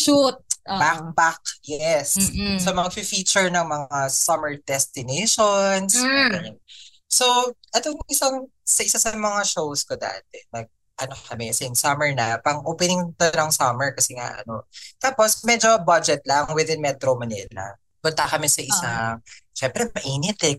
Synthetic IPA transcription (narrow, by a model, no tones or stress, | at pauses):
ʃut̪̚bak̚bak̚jɛssɐmɐŋfifit͡ʃʊɹnɐŋmɐŋasɐmɛɹd̪ɛst̪ɪnejʃonsdɛn | soʔɐt̪oŋʔɪsɐŋ | sɐʔɪsasɐmɐŋaʃowskod̪a̰ːt̪̚ɛnɐɡ̚ | ʔɐnokɐmɛsɪnsɐmɛɹnɐpɐŋʔoːpɪnɪŋt̪ɐnɐŋsɐmɛɹkɐsɛŋa̰ʔɐ̰no̞̰t̪aːposmɛd͡ʒobad͡ʒɛt̪̚lɐŋwɪðɪnmɛt̪ɾomɐnḭllɐ̰ | pʊnt̪akɐmɛsɐʔɪsaʃɛmpɾɛmɐʔiːnɪt̪ɛ